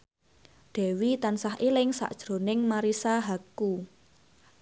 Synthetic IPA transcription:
d̪̥ɛ̤wit̪ansahilɪŋsa̰ʔd̥ʒ̥ɾo̤nɪŋmaɾisaɦaku

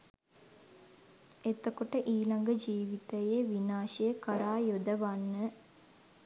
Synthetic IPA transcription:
et̪əkoʈəʔiːlaŋɡəd͡ʒiːʋit̪əjeʋinaːʃəjəkaɾaːjod̪əʋanːə

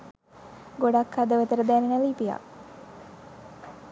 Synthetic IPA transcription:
ɡoɖakhad̪əʋət̪əɾəd̪æːnenəlipija̰

